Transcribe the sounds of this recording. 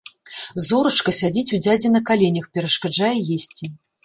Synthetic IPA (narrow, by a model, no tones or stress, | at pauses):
zɔɾɐt͡ʂkɐsʲad͡zʲit͡sʲud͡zʲad͡zʲɛnɐkalʲenʲɐxpʲɛɾɐʂkad͡ʐajɛjesʲt͡sʲi